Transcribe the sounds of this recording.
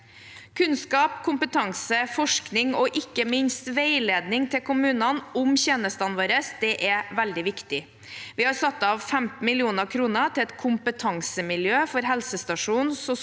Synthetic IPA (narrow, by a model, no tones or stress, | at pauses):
kʰʉnskɑːpkʰʊmpət̪ʰɑŋsəfɔʂknɪŋɔʔɪkːəmɪnst̪ʋeɪleːd̪nɪŋt̪ʰɪlkʰʊmʉːnɑnʊmçeːnəst̪ɑnʋɑːɾəsd̪ɛʔɛʋæld̪ɪʋɪkt̪ɪ | ʋɪhɑɾsɑt̪ːɑʋfɛmt̪n̩mɪlɪuːnəkʰɾuːnət̪ʰɪlɛt̪kʰʊmpət̪ʰɑŋsəmɪljøːfɔɾɦɛlsəst̪ɑʂuːnsɔ